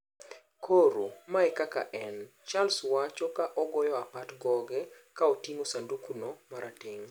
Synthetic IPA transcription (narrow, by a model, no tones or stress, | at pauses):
kʰoɾomaɛkaka̰ʔɛnt͡ʃalswat͡ʃɔkaʔɔɡɔjɔapatɡɔɡɛ | kaotiŋosandukunomaɾʔatɪŋ